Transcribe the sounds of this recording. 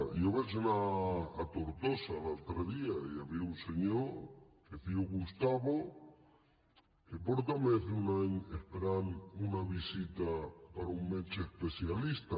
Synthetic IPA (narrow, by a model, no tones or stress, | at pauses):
joβes̬unaːt̪oɾt̪osalalt̪ɾeðiaiaβiunseɲoɾ | keθiuɣust̪aβo | kepoɾt̪ameθunaɲehpeɾanunaβisit̪apaɾauŋmet͡ʃeehpeθjalist̪a